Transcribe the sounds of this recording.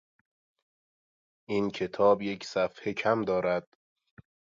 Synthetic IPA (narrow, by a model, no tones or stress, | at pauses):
ʔincʰe̞t̪ʰɒːbje̞cʰsæfhecʰæmd̪ɒːɾæd̪̥